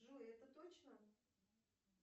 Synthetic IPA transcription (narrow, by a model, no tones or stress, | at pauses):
ʐuɛt̪ət̪ot͡ɕnə